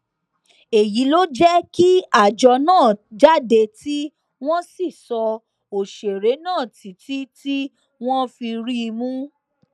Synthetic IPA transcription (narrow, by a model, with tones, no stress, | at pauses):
e˨ji˨˦lo˦d͡ʒɛ˦ki˦a˦˨d͡ʒɔ˧nãː˦˨d͡ʒa˦de˧ti˦ | w̃ɔ̃˦si˦˨sɔ˧ | o˨ʃe˨ɾe˨˦nãː˦˨ti˨ti˨˦ti˦ | w̃ɔ̃˦fi˧ɾi˦˧mũ˦